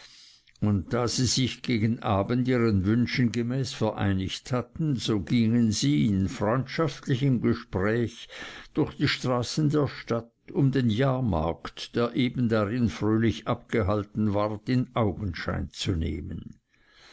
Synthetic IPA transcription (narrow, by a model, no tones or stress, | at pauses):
ʊnt̚d̥aːz̥iːz̥ɪçɡ̥eːɡən̩ʔaːbəndiːʁənvʏnʃn̩ɡemɛːsfɛɐʔa̰ɪnɪçthatn̩z̥oːɡiŋənziːɪnfʁ̥ɔʏntʃaftlɪçəmɡeʃpʁɛːçd̥ʊxd̥iːʃtʁ̥aːsn̩deːɐʃtat | ʊmdenjaːɐma̰ɐktd̥eːɐʔeːbn̩daʁɪnfʁøːlɪçʔap̚ɡ̥eɦaltn̩vaʁtɪnʔaʊɡən̩ʃa̰ɪnt͡sunḛːmə̰n